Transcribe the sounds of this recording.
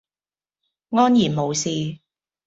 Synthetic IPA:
ŋɔː˥njiː˨˩nmo˨˧wsiː˨˧

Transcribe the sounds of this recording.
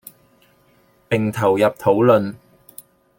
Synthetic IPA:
pɪ˨ŋt̪ʰɐ˨˩wjɐ˨p̚t̪ʰo˨˥wlɵ˨n

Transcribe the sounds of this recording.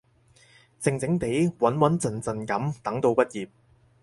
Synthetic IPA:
t͡sɪ˧ŋt͡sɪ˨˥ŋt̪e˨˥jwɐ˨˥nwɐ˨˥nt͡sɐ˨˩nt͡sɐ˨˩nkɐ˨˥mt̪ɐ˨˥ŋt̪o˧wpɐ˥t̚jiː˨p̚

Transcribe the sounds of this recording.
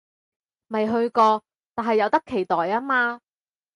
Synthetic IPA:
mɐ˨jɦɵ˧ɥkɔː˧ | t̪aː˨nɦɐ˨jːɐ˨˧wt̪ɐ˥kʰːe˨˩jt̪ɔː˨jaː˥maː˧

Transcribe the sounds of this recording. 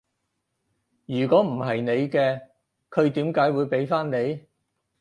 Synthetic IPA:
jyː˨˩kɔː˨˥m̩˨˩hɐ˨jne˨˧jkɛː˧ | kʰɵ˨˧ɥt̪iː˨˥mkaː˨˥jwuː˨˧jpe˨˥jfaː˥nne˨˧j

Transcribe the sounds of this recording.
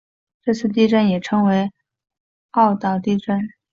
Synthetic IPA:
ʈ͡ʂɤ˥˧t͡sʰɹ̩˥˧t̪̬i˥˧ʈ͡ʂə˥˩njɛ˨˩ʈ͡ʂʰɤ˧˥ŋwe˧˥ɪ | ɑ˥˩˧ʊt̪ɑ˥˩ʊt̪i˥˧ʈ͡ʂə˥˩n

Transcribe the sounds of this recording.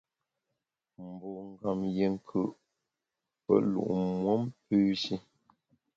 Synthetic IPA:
m̩˨bɔ˨ŋ˦˨ɡa˨mje˨ŋ˦kʰʉ˦˨ʔ | pə̰˦lṵ˨ʔmwɔ˦mpʉː˦ʃi˦

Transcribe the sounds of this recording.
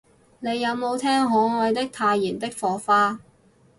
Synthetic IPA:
ne˨˧jːɐ˨˧wmo˨˧wt̪ʰɛː˥ŋɦɔː˨˥ŋɔː˨˧jt̪ɪ˥k̚t̪ʰaː˧jːiː˨˩nt̪ɪ˥k̚fɔː˨˥faː˥

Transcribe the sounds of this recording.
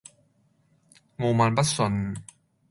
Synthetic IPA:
moː˧˩maː˧npa˦˥t̚so˧n

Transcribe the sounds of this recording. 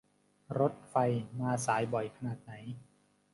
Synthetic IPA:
ɾo˦˥t̪̚fa˧jmaː˧saː˩˦jbɔ˨˩jkʰa˧naː˨˩t̪̚na˩˦j

